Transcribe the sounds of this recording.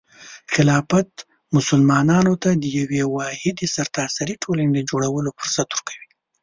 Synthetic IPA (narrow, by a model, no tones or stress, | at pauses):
xɪlɑfat̪ | mʊsʊlmɑnɑnot̪ad̪əjawewɑhɪd̪esaɾt̪ɑsaɾiʈʰoləned̪əd͡ʒoɽawəlofʊɾsat̪uɾkʰawi